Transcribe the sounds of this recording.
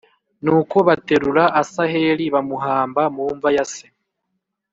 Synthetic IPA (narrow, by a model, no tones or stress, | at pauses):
nuːko̞βate̞ɾuɾaasahe̞ɾiβamuɦaːmbamuːɱvajase